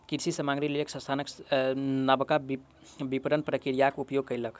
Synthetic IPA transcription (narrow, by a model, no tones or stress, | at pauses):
kiɾsisəmaŋɡɾilejəksə̃st̪ʰanək | nəbkab | bipəɾənpɾəkiɾijakupjoɡ̚kːəjlək